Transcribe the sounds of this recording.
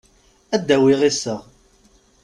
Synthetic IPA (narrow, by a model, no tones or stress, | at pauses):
æd̪ːæwɪʁisːæ